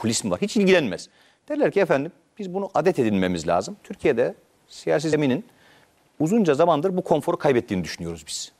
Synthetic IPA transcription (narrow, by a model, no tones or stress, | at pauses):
kʰulʲismva̰ɾhit͡ʃilʲɟilʲænmɛ̰z̥ | d̪̥ɛlʲæɾcʰiɛfænd̪im | b̥izbunuʔad̪ɛt̪ʰe̞d̪inme̞mizlʲa̰ːzɯmt̪ʰyɾcʰijed̪ɛ | sijaːs̬izeminin | uzund͡ʒazamand̪ɯɾbukʰo̞nfo̞ɾukʰajbɛt̪ʰːiːnid̪yʃynyjo̞ɾuzbiz̥